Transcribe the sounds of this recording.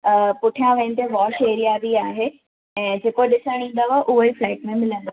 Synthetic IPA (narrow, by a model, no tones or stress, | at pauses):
əpʊʈʰijãʋɐɪ̃nt̪eʋɔːʃeːɾijabiaːɦe | ɛ̃ːd͡ʑeːkoɗɪsəɽ̃ĩːn̆d̪aɦaeʔʊɦoiflaːʈmẽmɪlə̃nd̪o